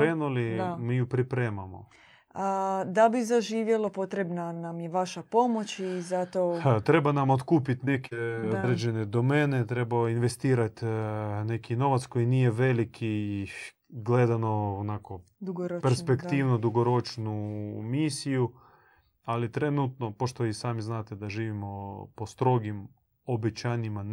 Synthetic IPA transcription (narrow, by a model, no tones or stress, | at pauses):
ɾeːnuliamijupɾipɾeːmamo̰ | ad̪abizaʒiːʋjelopo̞t̪ɾebnanamjeʋaʃapo̞mo̞t͡ɕizat̪ot̪ɾe̞banamot̪kuːpit̪nekʰeod̪ɾed͡ʒened̪omeːnet̪ɾebainʋest̪iːɾat̪ne̞kino̞ʋat̪sko̞jiniːje̞ʋe̞likʰi | ɡle̞d̪ano̞ːnako̞d̪uɡɾpeɾspekt̪iːʋnud̪uɡoɾo̞t͡ʃnumiːsiju | alit̪ɾe̞nut̪no̞poʃt̪oʋisaːmiznaːt̪ed̪aʒiːʋimo̞post̪ɾo̞ɡim | obet͡ɕaːɲima